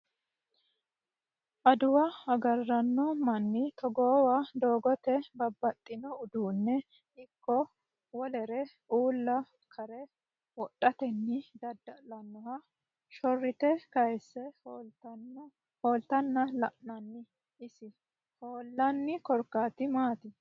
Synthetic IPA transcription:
ʔɐd̪ʊwɐɐɡɐrːɐnːɔmɐnːɪt̪ɔɡɔːwad̪oːɡɔt̪ɛbɐbːɐt̪ʼːɪnɔʊd̪uːnːɛ | ɪkːɔ | wɔlɛɾɛ | ʔuːlːɐ | kʰɐɾɛ | wɔɗɐt̪ɛnːɪd̪ɐd̪ːɐlɐnːɔhɐ | ʃɔrːɪt̪ɛkɐjsːɛ | hoːlt̪ɐnːɐlɐʔnɐnːɪ | ɪsɪ | hoːlːɐnːɪkɔɾkːaːt̪ɪmaːt̪ɪ

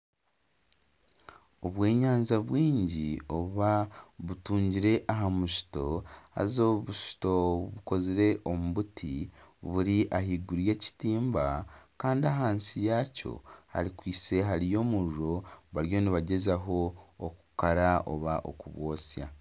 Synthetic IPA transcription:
o̞βwe̞ːɲaːnzaβwiːɲɟio̞βaβutuːɲɟiɾe̞ʔaɦamuʃi̥to̞a̰zoβuʃu̥to̞βuko̞ziɾe̞ʔo̞muβutʰiβuɾiʔahiɡuɾje̞ːci̥tiːmbakaːndiaɦaːnsijaːco̞̰ha̰ɾikwiːse̞ɦaɾijo̞ːmuɾuɾo̞βaɾjo̞niβaɟe̞zaɦo̞ːku̥kaɾao̰βaʔo̰kuβwo̞ːsja̰

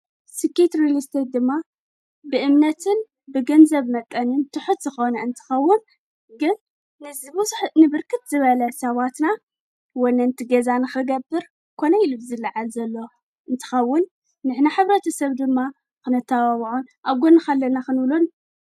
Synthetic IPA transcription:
sɨkːet̪ɾilist̪ʰed̪ɨmːa | bɨʔɨmnɐt̪ʰɨn | bɨɡɐnzɐβmɐt̪ʼːɐnɨnt̪ʰɨħut̪zɨxo̞nɐɨnt̪ʰɨ̥xɐwːʊn | ɡɨnː | ɨzɨβħnɨbɨɾkʰɨt̪zɨβɐlɐsɐβat̪na | wɔnɐɨnt̪ʰiɡɐzanɨxɨɡɐbːɨɾ | kʰo̞nɐilubɨzɨlːaʕalzɐlːo̞ | ʔɨnt̪ʰɨ̥xɐwːʊnː | ɨħnaħɨβɾɐt̪ʰɐsɐβd̪ɨmːa | kɨnɐt̪ʰːawaβʕunʔaβɡonɨxɐlːɐnaxɨnɨβlun

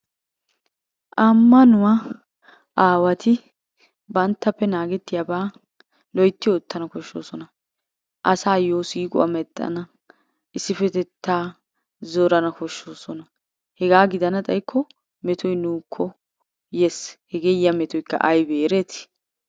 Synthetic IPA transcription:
ʔɐmːɐnʊwɐ | ʔaːwɐt̪ʰɪ | bɐnt̪ːɐpːɛnaːɡɛt̪ːɪjɐbaː | lɔjt̪ːɪjɔːt̪ːɐnɐkɔʃːo̰ːsɔnɐ | ʔɐsaːjoːsiːkʼʊ̰ɐ̰mɛt̪ʼːɐ̰nɐ | ʔɪsːɪfɛt̪ɛt̪ʰːaː | zɔɾɐnɐkɔʃːoːsɔnɐ | hɛɡaːɡɪd̪ɐnɐt̪ʼɐjkʰːɔ | mɛt̪ʰɔjnuːkʰːɔ | jɛshɛɡeːjɐmɛt̪ɔjkːɐ̰ʔɐjbeːɾeːt̪

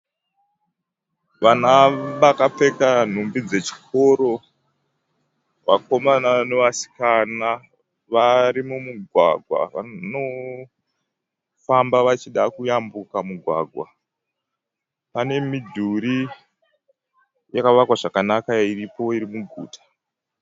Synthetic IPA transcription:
ʋanaʋakap͡fe̞kan̤umbid͡ze̞t͡ʃi̥ko̞ɾo̞ | wa̰ko̞manane̞ʋasi̥kana | ʋaɾimumuɡʱwa̰ɡʱwa̰ʋa̰no̞ | fambaʋat͡ʃiɗakujambukamuɡʱwa̰ːɡʱwa̰ | pane̞midʱuɾi | jakaʋakwaʐakanakairipo̞iɾimuɡʱṵːtḁ

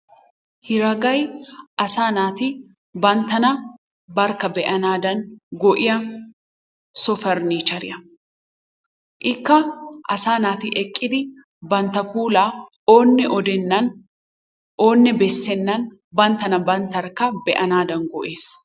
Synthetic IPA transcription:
hɪɾɐɡɐjʔɐsaːnaːt̪ɪ | bɐnt̪ɐnɐ | bɐɾkɐbɛʔɐnaːd̪ɐnɡɔʔɪjɐ | sɔfɛɾniːt͡ʃɐɾɪjɐ | ʔɪkːɐʔɐsaːnaːt̪ɪʔɛkʼːɪd̪ɪ | bɐnt̪ɐfuːlaː | oːnːɛʔɔd̪ɛnːɐn | ʔoːnːɛbɛsːɛnːɐn | bɐnt̪ɐnɐbɐnt̪ɐɾkɐbɛʔɐnaːd̪ɐŋɡɔʔeːs

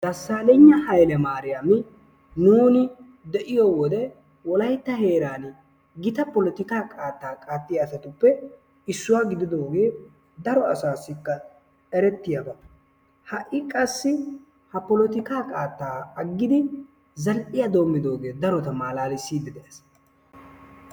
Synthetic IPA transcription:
d̪̥ɐsːaːlɛɲːɐhɐjlɛmaːɾɪjamɪ | nuːnɪ | d̪ɛʔɪjɔwɔd̪ɛ | wɔlɐjt̪ːɐhe̞ːɾaːn | ɡɪt̪ɐpɔlɔt̪ɪkaːkʼaːt̪ːaːkʼaːt̪ːɪjːsɐt̪ʊpːɛ | ɪsːʊwaːɡɪd̪ɪd̪o̞ːɡe̞ː | d̪ɐɾɔɐsaːsːɪkːɐ | ɛɾɛt̪ːɪjabɐ | hɐʔɪkʼɐsːɪ | hɐpɔlɔt̪ɪkaːkʼaːt̪ːaːɐɡːɪd̪ɪ | zɐlʔʼɪjɐd̪o̞ːmːɪd̪o̞ːɡe̞ːd̪ɐɾɔt̪ɐmaːlaːlɪsiːd̪ɪd̪ɛʔɛs

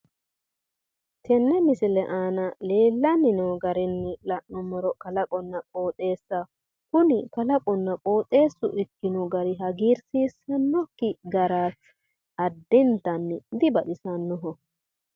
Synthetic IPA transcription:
t̪ʰɛnːɛmɪsɪlɛʔaːnɐle̞ːlːɐnɪnoːɡɐɾɪnːɪlɐʔnɔmɔɾɔkɐlɐkʼɔnːɐkʼo̞ːt̪ʼe̞ːsːɐ | kʊnɪkɐlɐkʼɔnːɐkʼo̞ːt̪ʼe̞ːsːʊʔɪkːɪnɔɡɐɾɪɦɐɡiːɾsiːsɐnːɔkːɪɡɐɾaːs | ɐd̪ːɪnt̪ːɐnːɪd̪ɪbɐɗɪsɐnːɔɦɔ

